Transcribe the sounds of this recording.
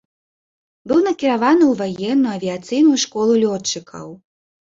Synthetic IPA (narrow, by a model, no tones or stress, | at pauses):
bɨwnɐkʲiɾavanɨwvajɛnːujɐvʲiat̪sɨjnujuʂkɔlˠulʲɔt͡ʂːɨkʰɐ̰w